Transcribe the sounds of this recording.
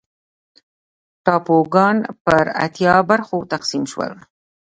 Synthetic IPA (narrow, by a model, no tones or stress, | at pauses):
ʈɑpoɡɑnpəɾa̰t̪jɑbaɾxot̪aqsimʃwə̰l